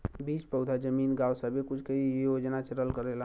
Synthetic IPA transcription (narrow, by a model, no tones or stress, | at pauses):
bit͡ʃpəwd̪ʱad͡ʒəminɡawsəbekut͡ʃʰkejod͡ʒnat͡ʃəɾəlkəɾela